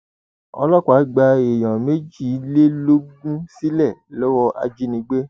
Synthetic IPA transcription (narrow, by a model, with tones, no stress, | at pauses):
ɔ̰˧lɔ˦kʷa˨˦ɡ͡ba˧e˨j̃ã˨me˦d͡ʒi˦˨˦le˦lo˦ɡũ˦si˦lɛ˦˨lɔ˦wɔ˦ʔa̰˧d͡ʒi˦nĩ˧˦ɡ͡be˦